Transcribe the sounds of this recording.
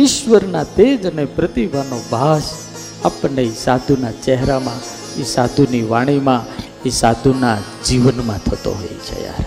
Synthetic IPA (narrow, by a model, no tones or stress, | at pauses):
ɪʃʋəɾnat̪ed͡ʒənepɾət̪ibʱanobʱas | apɳesad̪ʱunat͡ʃɛɦɾamã | esad̪ʱuniʋaɽ̃imã | esad̪ʱuna | d͡ʒiʋənmãt̪ʰət̪o̰ɦo̰jḛt͡ʃʰḛja̰ɾ